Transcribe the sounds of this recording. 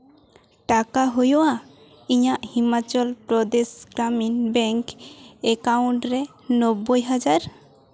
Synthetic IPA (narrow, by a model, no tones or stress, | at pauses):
ʈakaɦojoa | iɲaʔhimat͡ʃɔlpɾɔd̪esɡɾaminbɛŋkɛkaũɳʈɾɛ | nɔbːojɦad͡ʒaɾ